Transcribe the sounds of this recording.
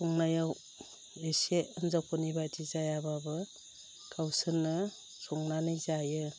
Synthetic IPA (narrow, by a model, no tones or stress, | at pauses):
suŋnajaw | eseɯnzakʰɔnibatʰizajababɯ | kʰawsɯnɯ | sɔŋnanɯjzajɯ